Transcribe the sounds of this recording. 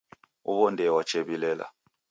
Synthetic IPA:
ṵβɔndɛwat͡ʃʰʼeβilɛːla̰

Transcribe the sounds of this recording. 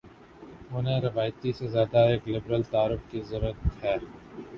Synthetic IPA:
ʊnẽɾɪʋaːjt̪isezjaːd̪aeːklɪbɾəlt̪aːɾʊfkizɐɾət̪hɛː

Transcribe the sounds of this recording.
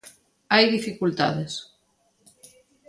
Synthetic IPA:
ajðifikult̪a̰ðes

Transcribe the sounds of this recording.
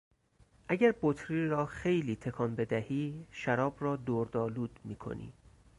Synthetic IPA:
ʔæɟæɾbot̪ʰɾiɾɒːxe̞jliːt̪ʰe̞kʰɒːnbe̞d̪æhiːʃæɾɒːbrɒːd̪oɾd̪ɒːluːd̪miːkʰo̰nʔḭː

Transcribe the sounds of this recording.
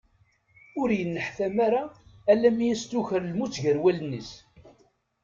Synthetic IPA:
ʊɾjənːəħθæmaɾaːlːæmijæst̪uçəɾlmut͡sːʝəɾwælənːəs

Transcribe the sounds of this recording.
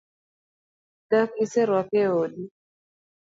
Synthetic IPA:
dakisɛɾwakɛoɗi

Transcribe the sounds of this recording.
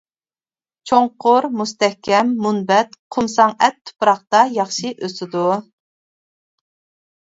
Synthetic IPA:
t͡ʃʰoŋqʊɾmust̪ɛhkʲʰɛmːunbɛt̪qʰʊmsɑŋɛt̪ʰːu̥pɾɑχt̪ɑjɑχʃiʔøsɪd̪u

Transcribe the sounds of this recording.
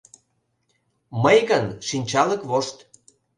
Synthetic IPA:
məjɣənʃinʲt͡ɕɑləkβoʃt̪

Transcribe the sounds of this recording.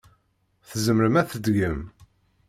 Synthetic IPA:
θəzəmɾəmæθəd̪ɡəm

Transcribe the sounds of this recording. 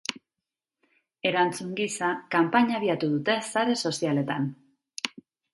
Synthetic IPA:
e̞ɾant͡suŋɡisakampaɲaβiat̪uðut̪e̞saɾe̞so̞siale̞t̪an

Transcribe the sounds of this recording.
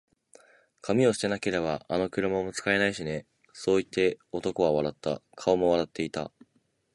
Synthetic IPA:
kʰamʲio̞ɕi̥t̪e̞nake̞ɾe̞baːno̞kɯ̟ɾɯ̟mamo̞t͡sɨ̥kae̞naiɕine̞ | so̞ːit̪ːe̞o̞t̪o̞ko̞βaβaɾat̪ːa̰kʰao̞mo̞β̞aɾat̪ːe̞it̪a̰

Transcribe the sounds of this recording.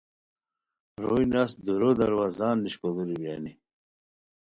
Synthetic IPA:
ɾujnasd̪uɾod̪ɐɾwazaːnːiɕkod̪uɾibja̰ni

